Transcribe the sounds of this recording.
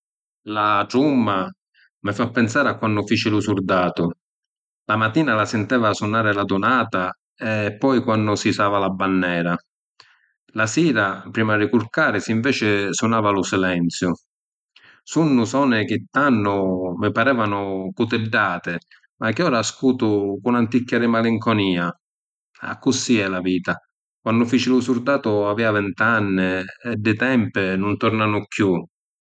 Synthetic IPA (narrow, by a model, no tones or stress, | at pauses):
laʈ̪ɾumːa | mɪfapːɛnsaːɾɪakːwanːʊfiːt͡ʃɪlʊsuɾd̪aːt̪ʊ | lamat̪ːiːnalasɪnt̪ɛːvasunaːɾɪlad̪ʊnaːt̪a | ɛpːɔjkwanːʊsisaːvalabanːɛːɾa | lasiːɾapɾiːmarːɪkuɾkaːɾɪsiɱvɛːt͡ʃɪsʊnaːvalʊsilɛnt̪sjʊ | sunːʊsɔːnɪk̟ɪt̪ːanːʊmɪpaɾɛːvanʊkʊt̪ɪɖːaːt̪ɪ | mak̟ɪɔːɾaskuːt̪ʊkʊunant̪ikːjaɾɪmaliŋkɔniːa | a̰kːʊsiɛlaviːt̪a | kwanːdʊfiːt͡ʃɪlʊsuɾd̪aːt̪ʊaviːavɛnt̪anːɪɛd̪ːɪt̪ɛmpɪnʊnt̪ɔrnaːnʊkju